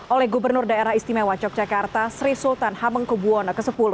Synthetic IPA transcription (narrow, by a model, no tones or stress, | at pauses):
ʔolɛhɡubərnʊrdaeɾahist̪imawat͡ʃɔk̚d͡ʒakart̪asɾisult̪anhaməŋkubuɔnəkəsəpulʊ